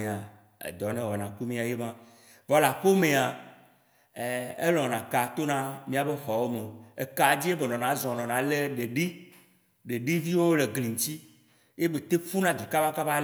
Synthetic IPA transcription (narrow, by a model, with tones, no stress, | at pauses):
e˨a˨ | ḛ˨d̪ɔ˨nẽ˦wɔ˨nã˨ku˦mĩ˦a˨je˦mã˦ | vɔ˨la˨ɸo˦mẽ˨a˨ | ḛ˦lɔ̃˨nã˨ka˨t̪o˦nã˦mĩ˦a˨be˦xɔ˨wo˦me˨o˨e˨ka˨d͡ʑi˦e˦be˨nɔ̃˨nã˨˦zɔ̃˨nɔ̃˨nã˨le˦ɖe˨ɖi˦ | ɖe˨ɖi˦vi˦wo˦le˨ɡli˨ŋ̩˨t̪i˦ | je˦be˨t̪e˦fu˦nã˦d̪i˨ka˦ba˦ka˦ba˦